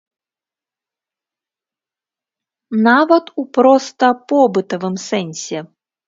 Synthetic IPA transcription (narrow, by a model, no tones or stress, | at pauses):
navɐt̪upɾɔst̪ɐpɔbɨt̪ɐvɨmsɛnʲsʲɛ